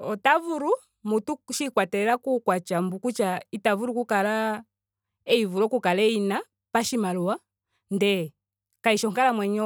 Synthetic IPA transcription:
ɔtavuɾu | mutuʃikwatɛɛlakukwat͡ʃambukut͡ʃaitavuɾukukala | ɛivulɔkukalɛina | paʃimaluwa | ndɛ | kaiʃɔŋkalamwɛɲɔ

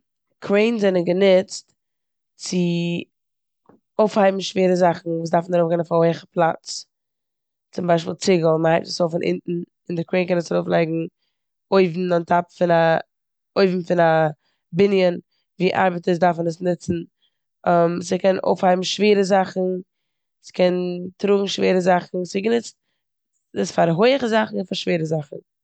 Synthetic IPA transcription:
kʰɾeɪnzɛnənɡənɪt͡st | t͡sɪ | oʊfhaɪbm̩ʃveːɾəzaχn̩vuːs̬daɾfn̩aɾoʊfɡɛɪnfaoɪχəpʰlˠat͡s | t͡sʊmbaɪʃpiːlˠt͡sɪɡlˠməhaɪp̚tə̥soʊfɪnʔɪ̰ntn̩ | ɪndɪkweɪnkɛnəsaɾoʊflˠeɪɡŋ̩ | oɪvn̩antʰapfɪna | oɪvm̩fɪna | bɪnjən | viːʔa̰ɾbətəs̬daɾfənəsnɪt͡sn̩ | əmsɪkʰɛno̰ʊfhaɪbm̩ʃveːɾəzaχn̩ | sɪ̥kʰɛntɾuːɡŋ̩ʃveːɾəzaχn̩sɪɡənɪt͡st̚ | əsfaɾɦoɪəχəzaχn̩ɪnfaɾʃveːɾəzaχn̩

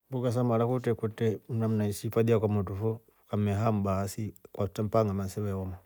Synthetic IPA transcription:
bukas̬amalakutekutem̩nam̩naisipadiakamutufo | kameɦam̩basikwatam̩paŋɡamansiβewoma

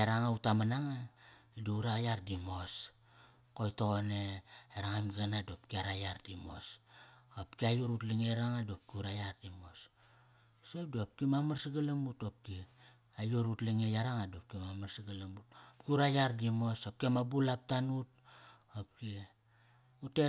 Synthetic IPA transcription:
aɾaŋautamanaŋa | duuɾajaɾdimo̞s | ko̞jtooneeɾaŋamanadop̚kiaɾajaɾdimo̞̰sopkiajuɾutliŋeɾaŋadop̚kiuɾajardimo̞s | sep̚duop̚kimamaɾsiɡalamutop̚ki | ajuɾutliŋejaɾaŋaduop̚kimamarsiɡalamutopkiuɾajaɾdimo̞sop̚kiamabulap̚tanut̚ | op̚ki | ute

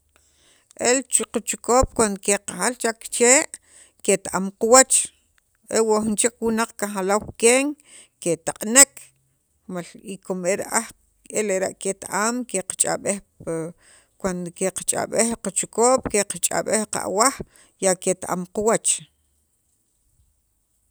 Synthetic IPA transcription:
ʔelt͡ʃiqat͡ʃu̥koːɓ̥kwand̪okeqaxalt͡ʃakt͡ʃeːʔ | ket̪aʔamquwat͡ʃ | ʔewoʔxint͡ʃikwunaq͡χkaχalawkeːŋ | ket̪aqʼnek | malikomeɾaʔax | eleɾaʔket̪aʔamkeqḁt͡ʃʼa̰ɓex | kwand̪okeqḁt͡ʃʼa̰ɓexlqat͡ʃukoːɓ̥keqat͡ʃʼa̰ɓehqa̰ʔwax | jaket̪aʔa̰mquwat͡ʃ

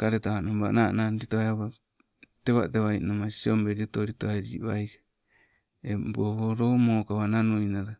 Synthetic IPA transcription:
kaɾetahanombanananɾitoaeaβa | teβa̰teβajnamasiombeɾiotoɾitoaɾiβajka | ebohoɾomoːkaβananuinaɾa

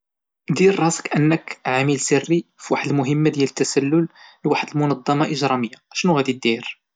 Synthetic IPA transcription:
d̪iɾːˤɑsə̥kʔənːəkʕaməlsərːifwaħəd̪əlmʊɦəmːad̪jælət̪ːæsælːʊlːwaħəd̪əlmʊnɑd̪ˤːɑmɑʔəʒɾˤɑməjːaʃnuɣæd̪id̪iɾ

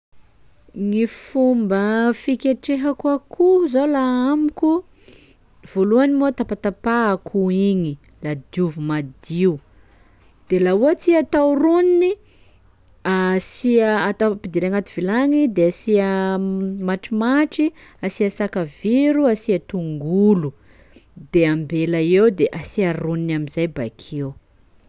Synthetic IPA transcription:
ŋifumbəfikʲeʈ͡ʂeɦakuakʰuzolaamiku | v̥oluanimot̪apat̪apaːkʰuiɲi | lad̪iuvumad̪iu | d̪̥elauat͡siat̪awɾunini | asiəat̪awpid̪iɾaŋat̪uv̥ilaŋid̪easiə | maʈ͡ʂimaʈ͡ʂi | asiasakaviɾuasiat̪uŋɡulu | d̪eambelaewd̪eʔasiaɾuninamizajba̰kʰew

